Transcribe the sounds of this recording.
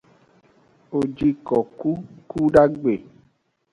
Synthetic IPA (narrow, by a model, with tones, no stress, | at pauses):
o˨d͡ʒi˦kɔ˨ku˦ku˦ɖa˦ɡ͡be˨